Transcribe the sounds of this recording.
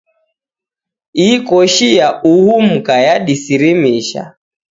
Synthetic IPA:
ikɔʃiauhum̩kajaɗisiɾimiʃa̰

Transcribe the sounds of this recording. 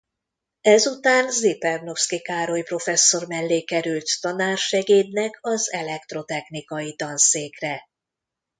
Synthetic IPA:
ɛzut̪aːnzipɛrno̞fskikaːɾojpro̞fɛsːo̞rmɛlːeːkɛɾylt̪ːɒnaːrʃɛɡeːd̪nɛkʰɒzɛlɛk̚t̪ro̞t̪ɛxnikɒjit̪ɒnseːkrɛ

